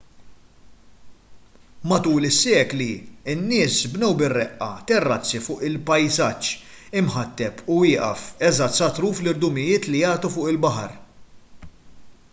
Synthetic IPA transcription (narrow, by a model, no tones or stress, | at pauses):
mɐt̪uːlɪsːɛːkliɪnːɪːsbnɛwbɪrːɛʔːɐ̰t̪ɛrːɐt͡sːifʊːʔɪlpɐjzɐt͡ʃː | ɪmħɐt̪ːɛpuɪːʔɐ̰fɛzɐsɐt̪ɾuːflɪɾd̪ʊmɪjɪːt̪lijɐːt̪ufʊːʔɪlbɐħɐ̰ɾ